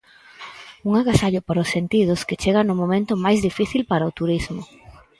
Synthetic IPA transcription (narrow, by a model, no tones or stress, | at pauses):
uŋaɣasaʎʊpaɾaosːent̪ið̞ʊsket͡ʃeɣanʊmõmẽnt̪ʊmajzðifiθilpaɾaot̪uɾizmʊ